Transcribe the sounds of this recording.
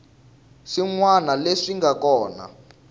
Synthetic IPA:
ʂiŋwanaleʂiŋɡakɔːna̰

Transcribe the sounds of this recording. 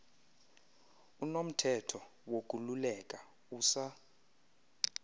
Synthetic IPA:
unom̩tʰɛtʰɔ | wok̬ʼululɛkʼa | uːsa

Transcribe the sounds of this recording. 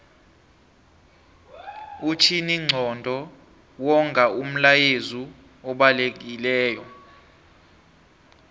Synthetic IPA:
ut͡ʃʰiniŋ͡ǀʱɔndʱɔ | wɔŋɡʱaum̩lajezu | ɔɓalek̬ilɛːjɔ

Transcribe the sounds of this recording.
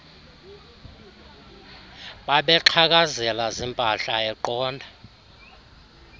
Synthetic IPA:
ɓaɓɛǃʰak̬azɛlazimpʼaɬaɛǃɔːndʱa

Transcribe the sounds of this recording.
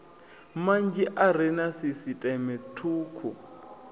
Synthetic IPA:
mand͡ʒiʔaɾɛnasisitʼɛmɛtʰuːkʰu

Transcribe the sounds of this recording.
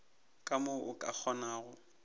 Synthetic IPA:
kʼamoʔʊkʼa̰k͡xʰɔnaːɣʊ

